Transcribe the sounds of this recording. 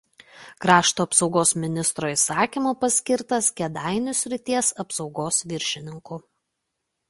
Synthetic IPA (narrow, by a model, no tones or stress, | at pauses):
kɾɑːʃt̪oːɐpsɒʊɡoːsmʲɪnʲɪst̪ɾoːisɑːkʲiˑmoːpɐsʲkʲɪɾt̪ɐskʲɛd̪ɑɪnʲʊsʲɾʲɪt̪ʲiɛsɐpsɒʊɡoːsʋʲɪɾʲʃʲɪnʲɪŋkʊ